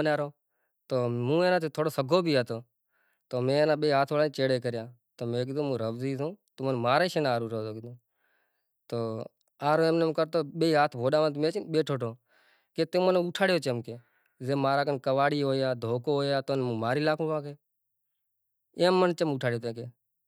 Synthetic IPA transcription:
naːɾoː | t̪oːmũːẽːnãːt̪ʰeːt̪ʰoːɽoːsəɡʱoːbʱiːɦaːt̪oː | t̪oːmẽːeːnãːɓeːiːɦaːt̪ʰoːɽaːet͡ʃeːɽeːkəɾɪjãː | t̪oːmẽːk̬ɪd̪õːmũːɾəbziːzõːt̪ʊmənmaːɾeːʃenaːɾuːɾoːt̪oːkɪd̪õː | t̪oː | aːɾoːẽːmnemkəɾt̪oːɓeːiːɦaːt̪ʰʋʱoːɗaːʋənt̪meːt͡ʃinɓeːʈʰoːʈʰoː | keːt̪ẽːmənuʈʰaːɽjoːt͡ʃəmkeː | zeːmaːɾaːkənkəʋaːɽiːɦoːjaːd̪ʱoːkoːɦoːjaːt̪oːnmũːmaːɾiːlaːkʰõːʋãːkeː | ẽːmːənt͡ʃəmuːʈʰaːɽɪjoːt̪̬ẽːkeː

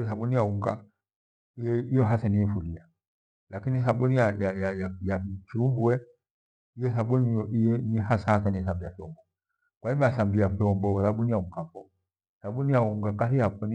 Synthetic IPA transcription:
saɓunijauŋɡa | iɛijɔɦasaniɛfulia | lakinisaɓunijajajajajakiumbuɛ | ijɛsaɓunɔiɛnihasahasaniɛsambijafɔmbɔ | kwaimasambijafiɔmbɔsaɓunijauŋɡafɔ | saɓunijauŋɡakahijapɔni

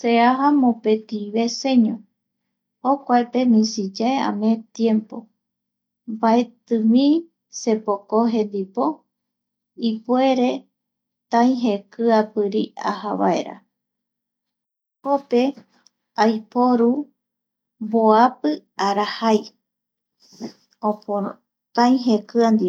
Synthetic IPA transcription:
seaɦamõpe̞t̪iβe̞se̞ɲõ | hokʷaepe̞mĩsid͡ʒaea̰mẽt̪jẽ̞mpo̞ | bae̞t̪ɨmĩ | se̞pokoɦẽ̞nd̪ipo̞ | ipue̞ɾe̞ | t̪ãj̃ɦekɨapɨɾia̰haβa̰eɾa̰ | kope̞ | ajpoɾu | boapɨaɾahaj | opo | t̪ãĩɦekɨand̪i

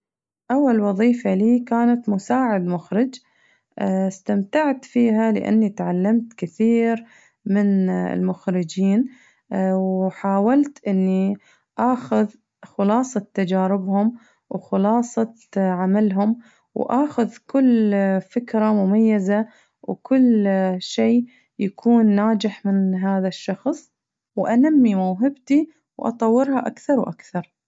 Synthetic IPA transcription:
ʔawːalwɑðˤiːfaliːkaːnat̪mʊsaːʕɪd̪mʊxɾɪd͡ʒ | ɪst̪amt̪aʕt̪fiːɦalɪ̰ʔa̰nːit̪ʕalːamt̪kɪθiːɾ | mɪnɪ̰lmʊxɾɪd͡ʒiːn | wħaːwalt̪ʔɪnːi | ʔaːxʊð | xʊlɑːsˤɑt̪ːad͡ʒaːɾɪbhʊm | wxʊlɑːsˤɑ | ʕamalɦʊm | wʔaːxʊðkʊlːfɪkɾamʊmajːaza | wkʊlːʃeː | jakʰuːnːaːd͡ʒɪħmɪnɦaːðaʃːɑxsˤ | wʔanamːimawɦɪbt̪i | wʔɑ̰t̪ˤɑwːɪɾhaʔakθɑɾˤwʔa̰kθɑɾˤ

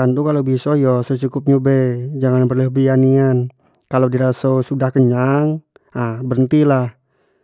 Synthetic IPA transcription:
ant̪ukalobisɔjɔsosukup̚ɲubɛd͡ʒaŋanbərləhbianian | kalodiɾasosudahkəɲaŋ | abəɾənt̪ilah

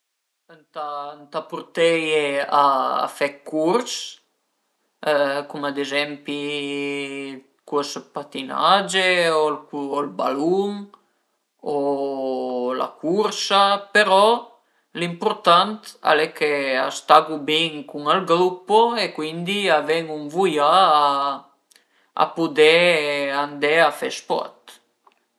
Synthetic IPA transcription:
ənt̪ant̪apuɾt̪ɛjea̰ːfɛkːurs | kumad̪ezɛmpi | kuspat̪ina̰d͡ʒeoluolba̰luŋ | o | la̰kʰuɾsapeɾɔ | limpuɾt̪ant̪a̰lɛkʰea̰st̪aɡubiŋkuŋalɡɾupoekwind̪iavɛŋuŋvuja | a̰pud̪ɛand̪ɛafɛ̰spɔ̰t̪

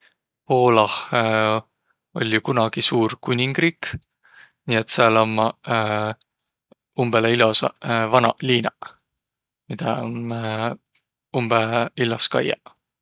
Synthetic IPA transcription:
po̞ːlɑh | o̞̰lʲːjukunɑɡ̥isuːrkunʲiŋɡ̥riːk | nʲiːet̪seɑlɑmːɑ | umb̥eleilosɑ̰vɑnɑliːnɑ | mid̪̥ɑ̰n | umb̥eilːɑskɑ̰jɑ̰

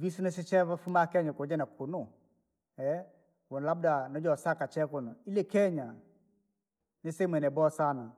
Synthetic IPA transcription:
visunes̬ɪt͡ʃɛvafumakɛɲakod͡ʒɛnakʰunʊ | ɛ | wɔnlabdanɔd͡ʒɔsakat͡ʃɛkʊnɔilɛkɛɲa | nɪsemwɛnɛbɔsana

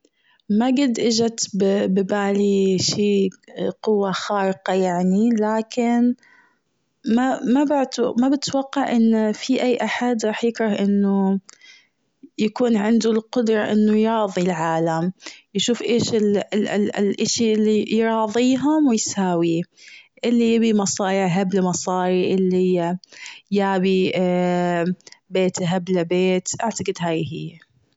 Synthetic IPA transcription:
maɡɪd̪ʔɪd͡ʒat̪bbɪbaːliʃiːqʊwːaxɑːɾɪqɑjaʕnilaːkɪn | mamabt̪mabɪt̪waqːɑʕʔɪnːfiʔajːʔaħad̪ɾˤɑːħjɪkɾˤɑhʔɪnːʊ | jakuːnʕɪnd̪ʊlqʊd̪ɾˤɑʔɪnːʊjɑːðˤilʕaːlamjʃuːfʔeːʃɪl | lʔaʃiʔɪlːijɾˤɑːðˤiːɦʊmwɪjsaːwiʔɪlːijabimɑsˤɑːɾɪʕɦablamɑsˤɑːɾiʔɪlːihɪjːajaːbi | beːt̪ɦablabeːt̪ʔaʕt̪aɡɪd̪ɦaːjhɪː

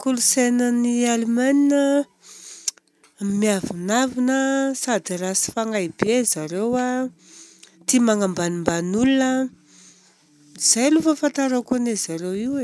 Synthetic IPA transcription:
kulusenənialimaninə | miavinavinəsad̪iɾasi̥faŋajibezaɾewa | t̪imaŋambanimbanulunə | z̥ajlufəfant̪aɾakunez̥aɾewiwe

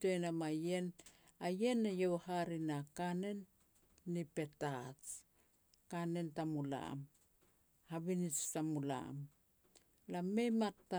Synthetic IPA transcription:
tojnamaje̞n | aje̞nːajowhaɾinakane̞nː | ipe̞tat͡ʃ | kane̞ntamula̰m | haβinit͡ʃtamula̰m | lame̞jmatːa

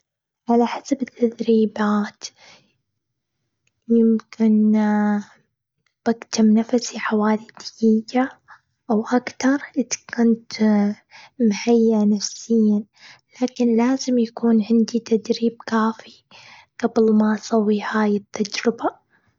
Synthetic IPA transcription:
ʕalaħasabɪt̪ːad̪ɾiːbaːt̪ | jɪmkʰɪn | b̥aɡt̪amnafasiħawaːlid̪̥jija | ʔawʔakt̪ɑɾˤʔɪt̪kʊnt̪ | mħajːanafsɪjːa | laːkɪnlaːzɪmjakuːnʕɪnd̪it̪ad̪ɾiːb̚kaːfi | ɡ̥ɑbɪlmasˤɑwːihaːjɪt̪ʰːad͡ʒɾɪba

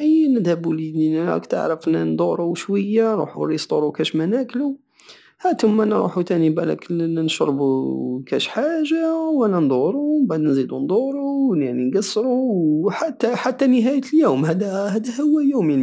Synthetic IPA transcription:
nəd̪hæbulid̪inææ̰kt̪ə̰ʕɾəfnænd̪ˤuɾˤuʃwəjːanɾˤṵħuɾist̪uɾˤukæʃmænæklu | hæt̪əmːænɾˤṵħut̪ænibælæ̰knʃɾˤbukæʃħaʒawænænd̪ˤuɾubæd̪nzid̪und̪ˤuɾˤunaʕninɡɑsːɾuħat̪ːæħat̪ːænəɦæjt̪ljuːmhæd̪æhæd̪æhʊwːæjumi

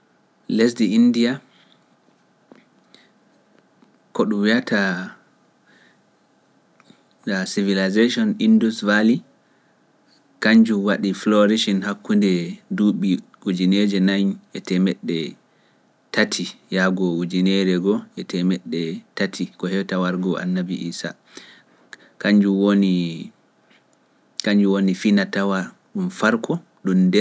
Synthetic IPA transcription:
les̬diindia | koɗumwiatʰa | dasivilazeʃɔnindusvali | kaɲd͡ʒuwaɗiflɔɾiʃinhakːundɛduɓi | ud͡ʒined͡ʒɛnaɲɛtɛmɛɗːɛ | tatʰijaɡɔud͡ʒinɛɾɛɡɔɛtʰɛmɛɗːɛtatʰikɔhɛwtawaɾɡɔʔa̰nːabiʔiːsa̰ | kaɲd͡ʒuwoni | kaɲd͡ʒuwonifinatawa | ɗumfaɾkʰɔ | ɗumdɛ

